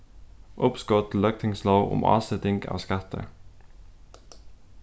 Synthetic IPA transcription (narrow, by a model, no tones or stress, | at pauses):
ʔʊpskɔt̪ʰl̩œk̚t̪ʰɪŋsloːʋʊ̰mɑ̰ːsɛt̪ɪŋɡɑ̰ːʋskɑt̪ʰə̰